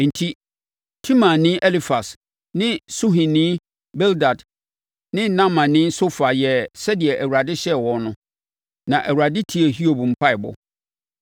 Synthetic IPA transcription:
n̩˨tʰi˦ | tʰĩ˦mã˨nɪ̃˦ʔɛ˦li˦fa˨s | nɪ̃˦su˦ɦĩ˨nĩ˦ | bɛ˦lda˨d | nɪ̃˦nã˦mã˨nɪ̃˦so˦fa˨jɛ˨sɛ˦dɪ˨ɛ˨ʔæ˨wu˨ɾa˨dɪ˦ɕɛ˦wɔ̃˨nʊ̃˦ | nã˨ʔæ˨wu˨ɾa˨dɪ˦tʰi˦ɛ˨ɦi˦o˨bm̩˦˨pʰa˦ɪ˨bɔ̰˨

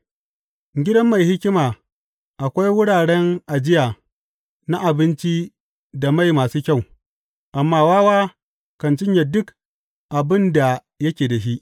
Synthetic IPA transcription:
ɡʲɪ˦dɐ˦mːa˨jhɪ˦kʲɪ˦maː˨ | ʔa˨kʷa˦jwʊ˦ɽaː˨ɽɛ˦ŋʔa˨d͡ʒɪ˦ja˨ | na˦ʔa˨bɪ˦nt͡ʃi˦ | da˨ma˦jmaː˨suː˦kʲa˦˨w | ʔa˨mːaː˦˨waː˦waː˦ | kɐ˨nt͡ʃɪ˦ɲja˨dʊ˦k | ʔa˨bɪ˦nda˨ | jɐ˦kʲeː˨dɐ˨ʃi˦ʔ

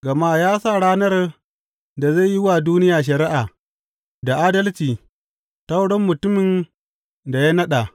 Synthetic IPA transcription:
ɡɐ˨ma˦˨jaː˦sa˦˨ɽaː˦nɐ˦r | da˨za˦˨ji˦wa˨duː˦nɪ˦jaː˨ʃ̬ɐ˨ɾɪ˦ʔa˨ | da˨ʔaː˦dɐ˦lt͡ʃiː˨ | ta˦wɽɔ˦mːʊ˨tʊ˦mɪ˨n | da˨ja˦nɐ˦ɗa˨

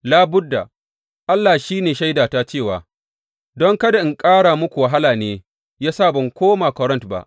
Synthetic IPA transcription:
laː˦bʊ˦dːa˨ | ʔa˦lːaː˨ʃiː˦neː˨ʃa˦jdaː˨taː˦t͡ʃeː˦˨waː˨ | dɔ˦ŋkɐ˦da˨ɪ˨ŋkʼaː˦ɽaː˨mʊ˦kʷu˨wɐ˨ɦa˦laː˨neː˨˦ | jaː˦saː˦˨bɐ˨ŋkʷoː˦maː˨kʷɔ˦ɾɐ˦ntba̰˦ʔ

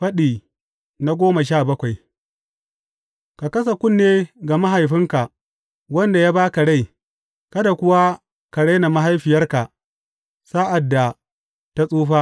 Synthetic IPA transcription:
ɸɐ˦ɗiː˨ | na˦ɡʷoː˦ma˨ʃ̬aː˦˨bɐ˦kʷa˨j | ka˨kɐ˦s̬a˨kʷʊ˦˨nːeː˦ɡa˨ma˦ɦa˨jɸɪ˦ŋka˨ | wɐ˦nda˨ja˦baː˦ka˨ɽa˦˨j | kɐ˦da˨kʷʊ˦wa˦ | ka˨ɽa˦jna˨ma˦ɦa˦jɸɪ˨jɐ˦rka˨ | saː˦ʔa˨dːa˨ | ta˦sʼuː˦ɸa˦

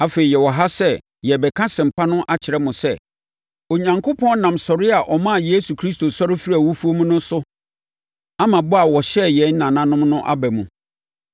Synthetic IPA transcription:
a˦feː˨i˨jɛ˨wɔ˨ɦa˦sɛ˦ | jɛ˨bɛ˨kʰã˦sɪ̃˨m̩˨pʰa˦nʊ̃˦ʔa˦t͡ɕʰɪ˨ɾɛ˦mʊ̃˨sɛ˦ | o˨ɲã˨ŋkʰo˦pʰɔ̃˦nã˨msɔ˨ɾɪ˦a˨ʔɔ˨mã˦˨je˦su˨kʰɾi˦sto˨sɔ˦ɾɪ˦fi˦ɾi˦a˨wu˦fu˦o˦mũ˦nʊ̃˦sʊ˦ | a˦mã˨bʊ˦a˨wɔ˨ɕɛ˦˨jɛ˨˦n̩˦nã˨nã˦nʊ̃˦mnʊ̃˦ʔa̰˦bæ˨mũ˨

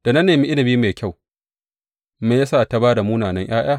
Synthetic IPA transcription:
d̥a˨nɐ˦nːeː˨mi˦ʔɪ˦nɐ˨biː˦meː˨kʲa˦˨w | me˨ja˦saː˦˨ta˦baː˦da˨muː˦naː˨nɐ˦ŋj̰aː˦j̰aː˦˨

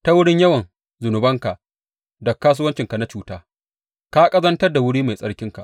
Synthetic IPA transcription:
ta˦wʊ˦ɽɪ˦ɲjɐ˦wɐ˨n | zʊ˨nʊ˨bɐ˦ŋka˨ʔ | dɔ˨kːaː˦s̬uː˦wɐ˦nt͡ʃɪ˨ŋka˨na˦t͡ʃuː˦taː˦ | ka˦kʼɐ˦zɐ˦ntɐ˦rda˨wʊ˦ɽiː˦ma˨jsʼɐ˦ɽkʲɪ˦ŋka̰˨ʔ

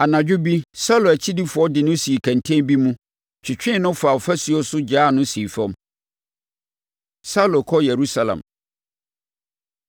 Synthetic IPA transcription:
a˨nã˨d͡ʑᶣʊ˦bi˦sa˦lo˨æ˨t͡ɕʰi˦di˦fʊ˨ɔ˦dɪ˨nʊ̃˦si˨kʰã˨ntʰẽ˦bi˦mũ˦ | t͡ɕʰᶣɪ˨t͡ɕᶣɪ̃˦˨nʊ̃˦fa˨ɔ˨fæ˦si˨ɔ˦sʊ˦d͡ʑaː˦˨nʊ̃˦siː˨fã˦m | sa˦lo˨kʰɔ˦jɛ˨ɾu˦sa˦lã̰˨m

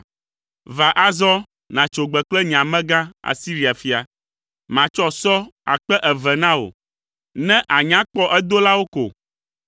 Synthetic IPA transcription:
va˨ʔa˦zɔ˦ | nã˨t͡ʃo˨ɡ͡bɛ˨k͡plɛ˦ɲ˨ã˨mɛ̃˦ɡã˦a̰˨si˦ɾi˨a˨fi˨a˨ | mã˨t͡ʃɔ˦sɔ˦a̰˨k͡pɛ˦ʔɛ˨vɛ˨nã˦o̰˨ | nɛ̃˦ʔa˨ɲã˦k͡pɔ˦ʔɛ˦d̪o˦la˦wo˦ko̰˨

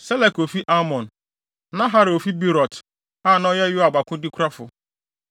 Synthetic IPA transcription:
sɛ˦lɛ˨ko˨fi˦ʔa˦mɔ̃˨n˨ | nã˦ɦa˦ɾɪ˨o˨fi˦bi˦ɾɔ˨t | a˦˨nɔ˦jɛ˦jʊ˦a˨ɡ͡ba˨kʊ˦dɪ˦kʷɾa˦fʊ˨

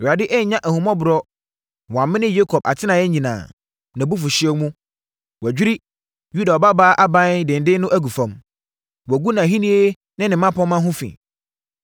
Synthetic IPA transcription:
a˨dɪ˦ʔɛ˦˨ɲã˦ʔæ˨hũ˨mɔ̃˦bʊ˨ɾɔ˦ | wɔ̃˨ã˨mɪ̃˦nɪ̃˦je˦kʰɔ˨b̚a̰˨tʰɪ˦nã˨jɛ˦ɲĩ˨nã̰ː˨ | nã˨bu˦f̬ʊ˨ɕɪ˦ɛ˦mũ˦ | wæ˨d͡ʑᶣi˦ɾi˦ | ju˦da˨ɔ˨ba˦baː˦ʔa˦bã˦dɪ̃˨n̩˨dɪ˦nʊ̃˦ʔæ˦ɡu˨fã˨m | wɔ˨ɡu˦nã˨ɦĩ˦nĩ˦e˦ | nɪ̃˦nɪ̃˨mã˦pʰɔ̃˦mã˦ɦʊ̃˦fḭ̃˨

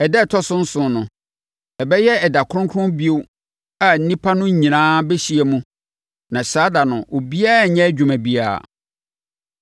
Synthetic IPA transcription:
ɛ˨dɛ˦˨tʰɔ˦sʊ̃˦n̩˦sʊ̃˨nʊ̃˨ | ɛ˨bɛ˦jɛ˦ɛ˨da˨kʰʊ̃˦ŋkʰʊ̃˦nbi˦o˦ | a˨n̩˦nĩ˦pʰa˦nʊ̃˦ɲ˦ɲĩ˨nãː˦bɛ˦ɕi˨˦ɛ˨mũ˦ | nã˨ɕaː˦da˨nʊ̃˨ʔo˨bi˦a˦˨ɲɛ̃˦d͡ʑᶣu˨mæ̃˨bi˦a̰ː˨

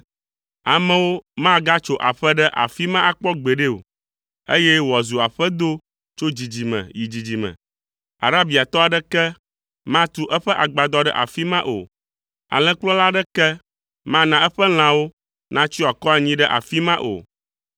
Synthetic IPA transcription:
a˨mɛ̃˨wo˦mã˦ɡa˦t͡ʃo˦ʔa̰˨ɸɛ˦ɖə˦ʔa̰˨fi˦mã˦ʔa˨k͡pɔ˦ɡ͡be˨ɖe˦o̰˨ | ḛ˦jɛ˦wɔ˨zu˨a˨ɸɛ˦d̪o˦ | t͡ʃo˦d͡ʑi˨d͡ʑi˨mɛ̰̃˨ji˨d͡ʑi˨d͡ʑi˨mɛ̰̃˨ | a̰˨ɾa˦bi˨a˨t̪ɔ˦a˨ɖə˦kɛ˦ | mã˦t̪u˦ʔɛ˦ɸɛ˦ʔa˨ɡ͡ba˨d̪ɔ˦ɖɛ̰˦ʔa̰˨fi˦mã˦ʔo̰˨ | a̰˨lɛ̃˦k͡plɔ̃˦la˦ɖə˦kɛ˦ | mã˦nã˨ɛ˦ɸə˦l̃ã˨wo˦ | nã˦t͡ɕi˦wa˨kɔ˦a˨ɲĩ˦ɖə˦ʔa̰˨fi˦mã˦ʔo̰˨

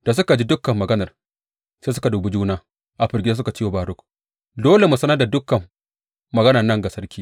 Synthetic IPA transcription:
d̥a˨s̬ʊ˦ka˨d͡ʒi˦dʊ˦kːɐ˨mːɐ˨ɡɐ˦nɐ˨r | seː˦s̬ʊ˦ka˨duː˨bu˦d͡ʒuː˦naː˦ | ʔa˨ɸɪ˨ɾɡʲɪ˦a˦s̬ʊ˦ka˨t͡ʃiː˦wo˨baː˨ɾʊ˦k | doː˦le˨mʊ˨sɐ˦nɐ˦da˨dʊ˦kɐ˨mː | ɐ˨ɡɐ˦nɐ˨rnɐ˦ŋɡa˨sɐ˦rkʲiː˦

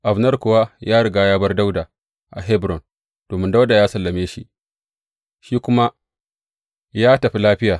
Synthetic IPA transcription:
ʔa˨bnɐ˦rkʷʊ˨wa˦jaː˦ɽɪ˨ɡaː˦jaː˦bɐ˦rda˦wdaː˨ | ʔa̰˨ɦɛ˦bɾɔ˨n | d̥oː˨mɪ˦nda˦wda˨jaː˦sɐ˨lːɐ˨meː˦ʃi˦ʔ | ʃiː˦kʷʊ˦ma˦ | jaː˦tɐ˨ɸi˦laː˦ɸɪ˦jaː˨

